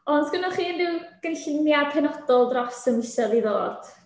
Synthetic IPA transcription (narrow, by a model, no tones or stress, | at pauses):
ɔnsɡ̥ɪnɔχiːndɪwɡ̥ənɬnjḁpʰɛnɔd̥ɔlˠdrɔsəmɪsɔðiðoːd̥